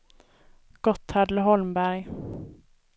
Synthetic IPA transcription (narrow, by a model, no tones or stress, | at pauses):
ɡ̥ɔt̪ːad̪ləɦɔlmbæɾj